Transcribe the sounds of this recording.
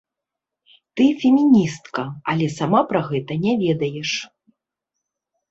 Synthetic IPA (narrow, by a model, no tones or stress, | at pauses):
t̪ɨfʲɛmʲinʲist̪kɐɐlʲɛsamapɾaɣɛt̪ɐnʲɛvʲɛd̪ɐjɛʂ